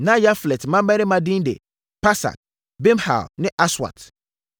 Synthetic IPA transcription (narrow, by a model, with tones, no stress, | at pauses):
nã˦ja˦flɛ˨tmã˦mɛ˦ɾɪ˦mã˨dɪ̃˦n˦dḛ˨ | pa˦sa̰˨t̚ | bɛ˦mha̰˨lnɪ̃˦ʔa˦swa̰˨t